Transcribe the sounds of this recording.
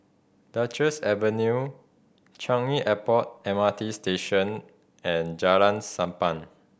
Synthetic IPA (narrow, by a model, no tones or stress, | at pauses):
dat͡ʃəsɛvənju | t͡ʃãŋiʔɛpɔt̚ɛ̃matisteʃə̃n | ɛ̃nd͡ʒalãnsãmpãn